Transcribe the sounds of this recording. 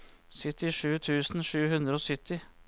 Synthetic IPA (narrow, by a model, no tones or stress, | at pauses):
sʏt̪ɪʂʉːt̪ʰʉːsn̩ʂʉːhʉnd̪ɾəoːsʏt̪ɪ